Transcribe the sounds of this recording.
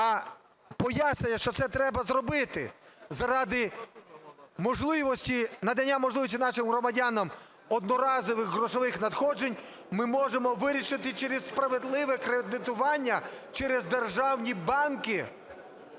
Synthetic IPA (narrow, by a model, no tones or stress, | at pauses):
ɐ | pɔjasʲnʲɐjɐʃt͡ʃɔt̪sɛt̪ɾɛbɐzɾɔbɪt̪ɪ̰zɐɾɑd̪ɪ | mɔʒlˠɪʋɔsʲtʲinɐd̪ɐnʲːamɔʒlɪʋɔsʲtʲinɑʃɪmɦɾɔmɐdʲanɐm | ɔd̪nɔɾɑzɔʋɪxɦɾɔʃɔʋɪxnɐd̪xɔd͡ʒenʲ | mɪmɔʒemɔʋɪɾʲiʃɪt̪ɪt͡ʃɛɾʲezspɾɐʋed̪lˠɪʋɛkɾed̪ɪt̪ʊʋɑnʲːɐt͡ʃɛɾezd̪erʒɑwnʲibɑnkɪ